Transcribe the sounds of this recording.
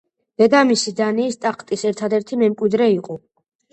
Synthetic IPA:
v̥ɛɡ̪amisid̪aniːst̪ʼaqʰt̪ʼisɛɾt̪ʰad̪ɛɾt̪ʰimɛmkʼwid̪ɾɛiqʼɔ

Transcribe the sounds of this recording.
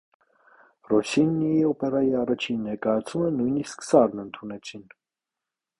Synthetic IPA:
rɔsinːiiɔpɛrɑjiɑrɑt͡ʃʰinːɛɾkɑjɑt͡sʰumənujnisksɑɾnənt̪ʰunɛt͡sʰin

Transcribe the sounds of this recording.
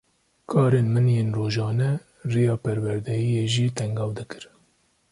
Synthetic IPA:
kʰɑːɾeːnmɨnjeːnroːʒɑːnɛ | rijɑːpɛɾwɛɾd̪ɛjijeːʒiːt̪ʰɛŋɡɑːwd̪ɨkɨɾ

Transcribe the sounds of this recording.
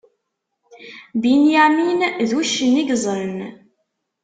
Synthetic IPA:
binjæminðuʃːəniɡzˤɾən

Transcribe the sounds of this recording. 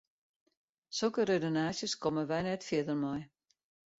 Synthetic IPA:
solˠkəɾedonaːsjəskɔməʋɛjnɛtfjɪdərmɔj

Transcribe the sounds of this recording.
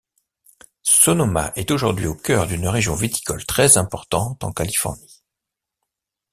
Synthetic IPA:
sonɔma̰ʔɛt̪oʒuʁd̪ɥḭokʲœʁd̪ynʁeʒjɔ̃vet̪i̥kɔlt̪χɛzɛ̃pɔʁt̪ɑ̃t̪ɑ̰̃kalifɔ̰ʁni

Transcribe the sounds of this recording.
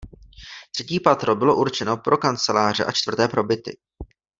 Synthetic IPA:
t̪r̥ɛciːpat̪ɾo̞bɪlo̞ʔuɾt͡ʃɛno̞pɾʔo̞kant͡sɛlaːr̝ɛʔat͡ʃt̪v̥r̩t̪ɛːpɾo̞bɪt̪ɪ̰

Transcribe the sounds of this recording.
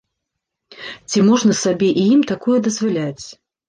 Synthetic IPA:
t͡sʲimɔʐnɐsabʲɛʔijimt̪akujud̪ɐzvalʲat͡sʲ

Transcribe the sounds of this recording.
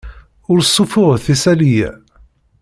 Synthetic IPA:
ʊɾsˤːufʊʁθisælijæ̰

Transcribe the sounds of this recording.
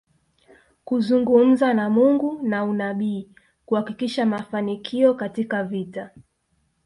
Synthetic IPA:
kuzuŋɡum̩zanamuŋɡunaunaɓiː | kuhakikiʃamafanikʰiɔkatikavita

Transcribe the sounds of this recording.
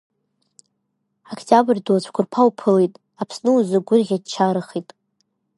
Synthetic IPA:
akʰtʼabrdot͡ɕʷʰkʷʰʊrpʰawpʰɨlejtʼ | apʰsnɨuzɨɡʷʊrʁʲadt͡ʃʰaɾɨχitʼ

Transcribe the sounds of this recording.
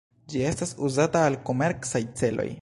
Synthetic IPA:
d͡ʒie̞stasuzataːlko̞me̞ɾsajt͡se̞lo̰j

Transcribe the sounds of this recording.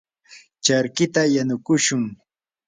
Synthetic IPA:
t͡ʃaɾkɪt̪ajanʊkʊʃʊŋ

